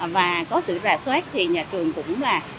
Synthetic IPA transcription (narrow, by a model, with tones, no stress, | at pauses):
vaː˨˩kɔ˨˦sɨ̰˧˨zaː˨˩swɛː˦˥k̚t̪ʰi˨˩ɲaː˨˩t͡ɕɨ˨˩əŋkʊ̰˧˥ŋ͡mlaː˨˩